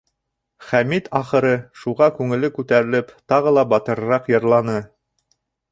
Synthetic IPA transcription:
χæmit̪ɑχɤ̆ɾɤʃuʁɑkʉŋɘ̆lɘkʉt̪æɾɘ̆lɘpt̪ɑʁɤlˠɑbɑt̪ɤ̆ɾɾɑqjɤ̆ɾlˠɑnɤ

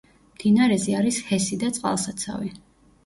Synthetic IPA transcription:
md̪̥inaɾɛziaɾishɛsid̪at̪sʼqʼa̰lˠsat̪sʰa̰vi

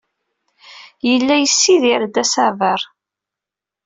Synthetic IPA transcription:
jəlːæjəsːiðiɾd̪æsavəɾˤ

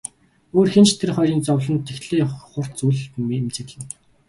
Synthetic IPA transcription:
oːrxent͡ɕt̪ʰerχɔɾʲiːnt͡sɔwɮə̆nt̪ʰːexɮeːχʊr̥t̪t͡suɮmemt͡ɕɘ̆ɮɘ̆n

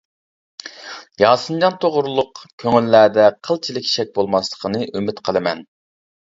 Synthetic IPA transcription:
jɑːsɨnd͡ʒɑnt̪ʰoʁʊɾlˠʊqkʲʰøŋylːæd̪ɛqʰəlˠt͡ʃʰilɪkʲʃɛk̚ʲbolˠmɑslˠə̥qʰənɨʔymɪt̪qʰəlˠɨmɛn

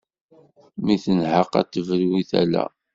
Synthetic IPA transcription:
miθənhəqæ̰t̪ːəvəlwiθælæ̰

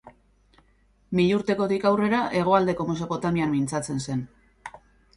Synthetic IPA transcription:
miʎuɾt̪e̞ko̞t̪ikawre̞ɾaʔe̞ɣ̞o̞ald̪e̞ko̞me̞so̞po̞t̪amiamːint͡sat͡se̞nse̞n

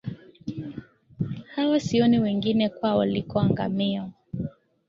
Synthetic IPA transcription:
hawasiɔniwɛŋɡinɛkwawa̰likɔaŋɡa̰miɔ

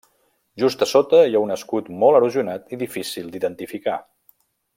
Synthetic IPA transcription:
ʒust̪əsot̪əijaunəskut̪mɔlˠəɾuziunat̪iðifisilˠd̪iðənt̪ifika

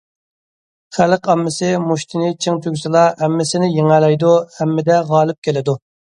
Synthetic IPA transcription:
χælɪqɑmːɪsɪmuʃt̪ʰɪnɪt͡ʃʰɪŋt͡ʃ̪ʰyɡʲsɨlˠɑhɛmːɪsɪnɪjeŋælɛjd̪uhɛmːɪd̪ɛʁɑːlˠɨp̚kʲʰelɪd̪u

